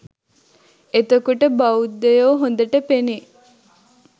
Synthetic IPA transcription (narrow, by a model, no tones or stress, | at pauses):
et̪əkuʈəbaud̪ːejoːɦond̪əʈəpene